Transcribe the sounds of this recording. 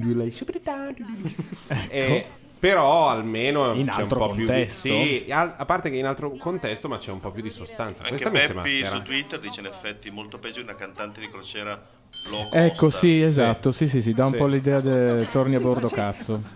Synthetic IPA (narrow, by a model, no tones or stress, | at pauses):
ilɛʃbɾit̪an | ɛkːo | peɾɔalmeːnoinat͡ʃɛumɾopɔpp̪njut̪ɛsstsoiaapːart̪ekeinalt̪ɾokont̪ɛst̪omat͡ʃɛumpɔpjud̪isost̪ant̪sakaweskt̪amisemaisɾut̪wit̪ːerd̪iːt͡ʃeinefːɛt̪ːimolt̪oped͡ʒuunakant̪ant̪ed̪ikɾot͡ʃɛːɾa | lɔkɛkːossiezat̪ːosis̬is̬id̪aumpɔlid̪ɛːad̪et̪orniabord̪okat̪sːo